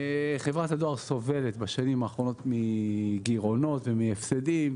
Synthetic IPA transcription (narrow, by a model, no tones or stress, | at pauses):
χevʁat̪had̪o̞aʁso̞ve̞let̪baʃanimaːχʁo̞no̞t̪miɡiʁo̞no̞tvemiefsedim